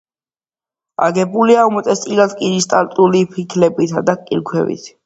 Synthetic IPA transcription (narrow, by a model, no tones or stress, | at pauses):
a̰ɡɛbuliamɔt̪ʼɛst̪ʼilad̪kʼinist̪ʼaɾt̪ʼulipʰikʰlɛbit̪ʰad̪akʼḭɾkʰwɛ̰vḭt̪ʰ